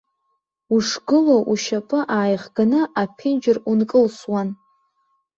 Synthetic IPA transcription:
uʂɡɨloʔuʃapʼɨʔaːjʁɡanɨʔapʰɪnd͡ʒɪrunkʼɨlswan

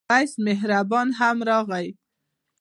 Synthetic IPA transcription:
ajsmɪɦɾabɑnɦamɾɑɣaj

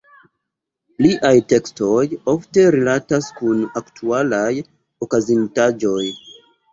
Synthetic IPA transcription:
liʔajte̞ksto̞jo̞fte̞ɾilataskunaktʰualaj | okazintad͡ʒo̞j

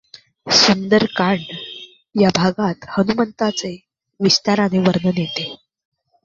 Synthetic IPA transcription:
sund̪əɾkaɳɖ | jabʱaɡat̪hənumənt̪at͡se | ʋist̪aɾaneʋəɾnənjet̪e

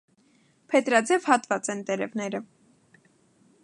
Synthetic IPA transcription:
pʰɛt̪ɾɑdd͡zɛvhɑt̪vɑt͡sɛnt̪ɛɾɛvnɛɾə

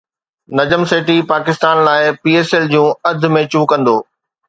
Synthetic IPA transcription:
nɐd͡ʑəmseːʈipaːkɪst̪aːnlaːɪpiːeːseːld͡ʑũːɐd̪̆ʱmẽt͡ɕũːkɐ̃nd̪oː

